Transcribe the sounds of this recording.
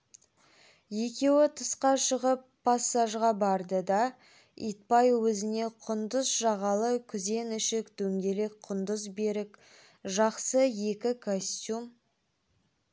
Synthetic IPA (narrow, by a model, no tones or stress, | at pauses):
je̞kʲe̞wɪt̪ʰəsqɑʃəʁəpʰːasːaʒʁɑbɑɾd̪əd̪ɑ | ḭjt̪̚pɑjwɵzɪne̞qʰʊnd̪əzʒɑʁɑlˠəkʲʰʏze̞nʏʃɪkd̪ɵŋɡʲe̞le̞k̚qʰʊnd̪əzbe̞ɾɪk | ʒɑqsəje̞kʲɪkʰosʲt̪ʲjum